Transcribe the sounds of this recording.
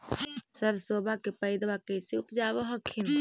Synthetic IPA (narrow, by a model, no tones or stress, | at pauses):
səbʱsoːbʱakepəɪd̪bakəseʊpd͡ʒabəɦəkʰin